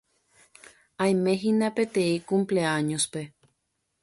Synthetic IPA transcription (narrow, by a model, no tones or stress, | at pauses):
aj̃mẽ̞ɦinape̞t̪ẽikumpleaɲospe